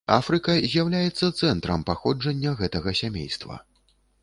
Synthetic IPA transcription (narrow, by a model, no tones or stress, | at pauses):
a̰fɾɨkɐzʲjawlʲajɛt̪sːɐt̪sɛnt̪ɾɐ̰mpaxɔd͡ʐɐnʲːɐɣɛt̪ɐɣɐsʲamʲḛjst̪vɐ̰